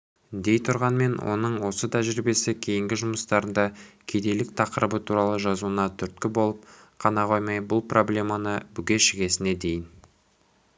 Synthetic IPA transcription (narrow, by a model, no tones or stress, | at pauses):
d̪e̞jt̪ʰʊɾʁɑnme̞nwʔo̞̰nəɴwo̞sət̪ʰæʒɾibe̞sɪkʲʰe̞jɪŋɡʲɪʒʊməst̪ɑɾənd̪ɑkʲʰed̪e̞lɪk̚t̪ʰɑqəɾəbət̪ʰuɾɑlˠəʒɑzuənɑt̪ʰʏɾt̪̚kʲɪbo̞lˠəp̚ | qʰɑnɑʁojmɑjbʊlˠpro̞blʲe̞mɑnəbʏɡʲe̞ʃɪɡʲe̞sɪne̞d̪e̞jɪn